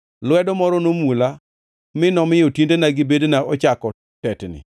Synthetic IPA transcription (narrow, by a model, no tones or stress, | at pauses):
lwɛdɔmɔɾɔnomula | mɪnɔmɪjɔtindenaɡɪbednaʔɔt͡ʃakɔ | tɛtnɪ̰